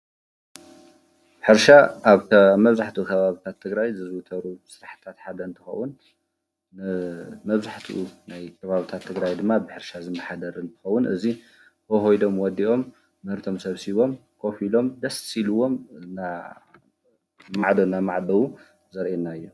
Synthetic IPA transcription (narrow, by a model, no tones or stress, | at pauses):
ħɨɾʃaβaβmɐβzaħt̪ʰiukʰɐβaβit̪ʰat̪ʰːɨɡɾajzɨzwut̪ʰɐɾusɨɾaħt̪ʰat̪ħad̪ɐɨnt̪ʰɨxɐ̰wunː | ɨmɐβzaħt̪ʰḭʔunajkʰɐβaβit̪ʰat̪ʰːɨɡɾajd̪ɨmːabɨħɨɾʃazɨmːɐħad̪ɐɾɨnt̪ʰɨ̥xɐwːʊnʔɨ̰zi | hoɦojd̪o̞mwɔd̪iʔo̞mː | ɨhɨɾt̪ʰo̞msɐβsiβo̞mkʰo̞filo̞md̪ɐssiluwo̞mna | maʕd̪ɐnːamaʕd̪ɐwu | zɐɾʔenːaɨjːo